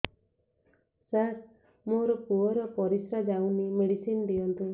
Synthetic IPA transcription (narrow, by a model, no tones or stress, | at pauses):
saɾ | moɾɔpuɔɾɔpɔɾisɾad͡ʒawnimeɽisind̪ijʌnt̪i